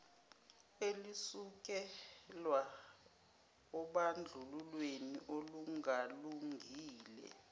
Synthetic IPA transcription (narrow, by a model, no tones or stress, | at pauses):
elisuk̬ɛlwa | ɔɓand͡ɮʱululwenḭʔoluŋaluŋʱiːlɛ̰